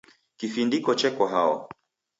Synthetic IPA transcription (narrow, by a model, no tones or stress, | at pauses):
kifindikɔt͡ʃɛkaɦaɔ̰